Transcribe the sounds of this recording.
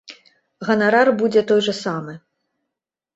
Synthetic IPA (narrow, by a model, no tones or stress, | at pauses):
ɣɐnaɾarbud͡zʲɛt̪ɔjʐɐsamɨ